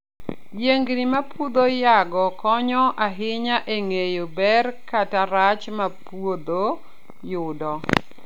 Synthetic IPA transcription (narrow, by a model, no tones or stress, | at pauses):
jeŋɡnimapud̪ojaɡɔkɔɲɔʔaɦɪɲaʔeŋejobɛrkataɾat͡ʃmapwod̪o | jʊdɔ